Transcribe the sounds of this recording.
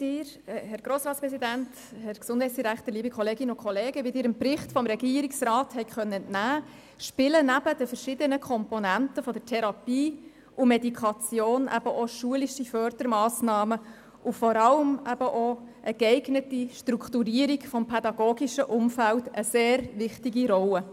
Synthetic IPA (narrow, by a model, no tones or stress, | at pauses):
d̥ɪːɾ | hɛɾɡ̥ɾoːsɾɑːtspɾɛsidænt | hɛɾksʊndhɛɪt͡ssd̥iɾækχt̪əɾliːbəkʰχɔleːɡɪnəʊkʰχɔleːɡəʋɪd̪ɪːɾɪmprɪχtfɔmɾɛɡiːɾiksrɑːthɛɪkχœnːəntnæː | ʃpɪlənæb̥əd̥əfəɾʃɪdənəkʰɔmpɔnæntəfɔdətʰɛɾɑpiː | ʊmɛdikʰɑt͡sjoːnʔæ̰b̥əʔɔʃuəliʃifœrd̥əɾmɑːsnɑːmə | ʔʊfɔɾɑləmʔæb̥əʔoʔəɡɛɪɡnətiʃtɾuktuɾiəɾikfɔmpʰɛdɑɡoːɡiʃəʔʊmfæltəseːɾʋɪχtiɡiɾɔlːə